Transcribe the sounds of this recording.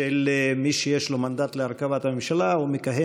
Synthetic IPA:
elmiʃejeʃlomand̪at̪leaʁkavat̪hamemʃalaumikaɦe

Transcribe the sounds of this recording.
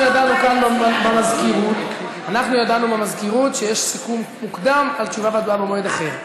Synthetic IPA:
jad̪anukanbbemazkiʁut̪ | anaχnujad̪anubemazkiʁut̪ʃejeʃsikummukd̪amalt͡ʃuvavead̪uabemoed̪aχe̞ʁ

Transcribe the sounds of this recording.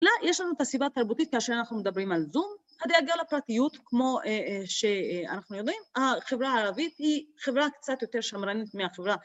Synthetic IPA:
lajeʃlanuet̪asibat̪aʁbut̪it̪̚kaːʃeʁanaχnumed̪abʁimalzum | had̪eaɡilapʁat̪ijut̪kmo̞ʃea̰naχnujo̞d̪imhaχevʁaaːʁavit̪hiχevʁakt͡sat̪jo̞t̪e̞ʁʃamɾanit̪meaχevʁa

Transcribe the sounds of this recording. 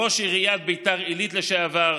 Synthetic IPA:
oʃiʁijat̪̚bejt̪aʁilit̪leʃeavaʁ

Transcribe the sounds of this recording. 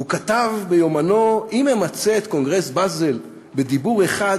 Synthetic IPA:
ukat̪avbejo̞mano̞imemat͡seet̪ko̞ŋɡʁe̞sbazel | be̞d̪ibuʁe̞χad

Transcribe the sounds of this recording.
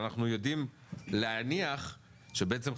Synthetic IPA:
naχnujo̞dim | leaniaχ | ʃebeet͡se̞m

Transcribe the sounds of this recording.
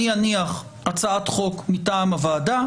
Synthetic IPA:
ianiaχ | at͡saat̪χo̞kmitaːmavaːda

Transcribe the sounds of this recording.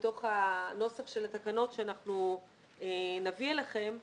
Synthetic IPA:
t̪o̞χano̞safʃe̞lat̪akano̞tʃeanaχnu | enavielaχe̞m

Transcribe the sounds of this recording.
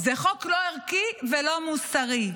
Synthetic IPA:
zeχo̞kloeʁkivelo̞musaʁi

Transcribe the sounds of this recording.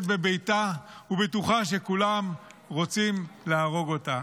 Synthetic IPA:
tbebejtaubetuχaʃe̞kulamʁo̞t͡simleaːʁo̞ɡo̞ta

